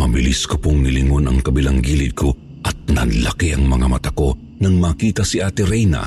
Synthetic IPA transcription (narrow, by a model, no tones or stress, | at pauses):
mɐbɪliskopoŋnɪlɪŋonɐŋkɐbɪlaŋɡiːlɪd̪̚kʰo | ʔɐt̪̚nɐnlɐkiʔɐŋmɐŋamɐt̪ɐko̞ | nɐŋmaːkiːt̪ɐsɪʔaːt̪ɪɾɛjnɐ̰